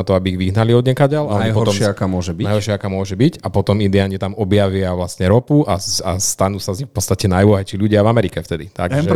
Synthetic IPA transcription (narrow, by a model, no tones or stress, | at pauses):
at̪ɔabiiɣʋiɦnaliɔd̪ɲɛkaɟalaɔajɦɔt̪ɔmʃɪaakaːmʊɔʒɛbinajɦɔɾʃɪaakaːmʊɔʒɛbicapɔt̪ɔmind̪ɛaːlɲit̪amɔbjaʋɪaʋlasɲɛɾɔpuʔaast̪anusazɲixfpɔt̪st̪acɛnajlɔɦɛt͡ʃiʎuɟɪavamɛɾikɛft̪ɛd̪it̪aɡɛʒɛ